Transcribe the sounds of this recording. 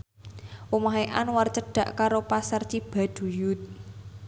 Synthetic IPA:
wumaɦeʔanwart͡ʃəɖ̥a̤ʔkaɾopasərt͡ʃib̥a̤d̪̥ṳjut̪̚

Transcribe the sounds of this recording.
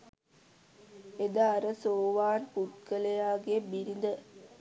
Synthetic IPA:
ed̪aːɾəsoːʋaːnput̪kəlejaːɡebiɾind̪ə

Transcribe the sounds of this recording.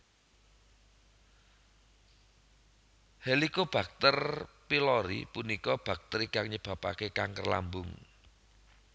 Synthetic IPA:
helikob̥ä̤k̚t̪ərpilɔɾḭpunikɔb̥a̤k̚t̪əɾikaŋɲəb̥a̤pa̰kekaŋkərla̰mbʊŋ

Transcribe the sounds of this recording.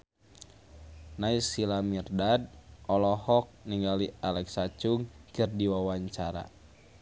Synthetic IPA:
naisilamirdad̚ʔɔlɔhɔk̚niŋɡalialɛksat͡ʃuŋkɨrdiwawaɲt͡ʃaɾa̰

